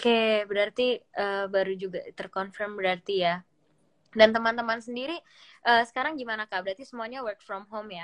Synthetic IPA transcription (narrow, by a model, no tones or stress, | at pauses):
okebəɾart̪iəːbaɾud͡ʒuɡa̰t̪ərkɔnfərmbəɾart̪ija | dant̪əmant̪əmansəndiɾi | ʔəːsə̥kaɾaŋɡimanakabəɾart̪isəmuaɲawərk̚fɾɔmɦomja